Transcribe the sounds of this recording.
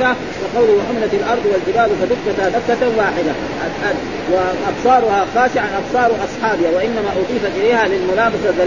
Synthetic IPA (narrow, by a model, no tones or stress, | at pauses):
a | kɑqɑwlwaħʊmlat̪alʔɑɾˤd̪ˤwald͡ʒɪbaːbsɑd̪ʊkːat̪abakːat̪anwaːħɪd̪a | ʔaa | waʔɑbsˤɑːɾˤʊhaxaːʃɪʕanʔɑbsˤɑːɾˤʔɑsˤħɑːbɪhawaʔɪnːamaʔʊd̪ˤiːfat̪ʔɪleːhalɪlmʊlaːbɑsaða